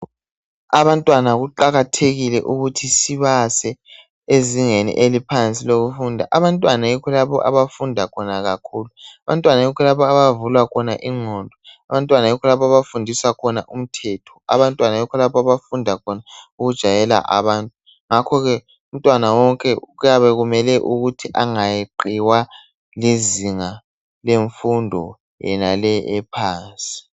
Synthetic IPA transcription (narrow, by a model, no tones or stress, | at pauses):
aβantʼwanaɣuǃaɣatʰeɣilɛ̰ʔuɣutʰisiβasɛ | eziŋenḭʔelipʰant͡sʼiloɣufundʱa̰ʔaβantʼwanajikʰɔlaβɔ̰ʔa̰βafundʱakʰɔnaɣakʰuːluaβantʼwanajikʰɔlaβɔaβavulwakʰɔna̰ʔiŋ͡ǀʱɔndʱɔaβantʼwanajikʰɔlaβɔaβafundʱiswakʰɔnaʔum̩tʰɛtʰɔ̥a̰βantʼwanajɔkʰɔlapɔaβafundʱakʰɔnauɣud̥ʒ̥ʱajɛla̰ʔa̰βaːntʼu | ŋakʰɔɣɛ | um̩tʼwanawɔŋkʼɛujaβɛɣumɛlɛʔuɣutʰiʔaŋajeǃiwa | liziŋa | leɱfundʱɔ̰ | jɛ̰nalɛɛpʰaːnsʼi̥